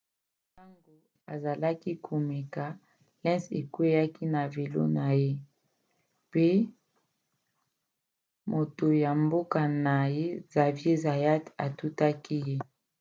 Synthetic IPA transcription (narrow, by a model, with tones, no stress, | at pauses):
ta˦ŋɡo˨ | a˨za˨la˦ki˦kʰo˨me˨ka˨ | lɛ˦nse˨kwe˦ja˦ki˦na˨ve˨lo̰˦na˨je˦ | pe˦ | mo˨to˨ja˨mbo˦ka˨na˨je˦za˨vje˦za˨ja˦ta˨tu˦ta˦ki˦je˦